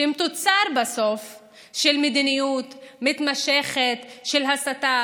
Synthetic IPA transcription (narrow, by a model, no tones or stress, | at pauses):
imt̪ot͡saɾbaso̞f | ʃelmed̪inijut̪mit̪maʃe̞χetʃelɦasata